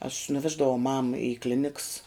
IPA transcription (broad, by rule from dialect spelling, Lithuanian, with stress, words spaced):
ɐʃ nʊˈʋʲæːʒdɐʋɐʊ mɐm ɪ ˈklʲɪnʲɪks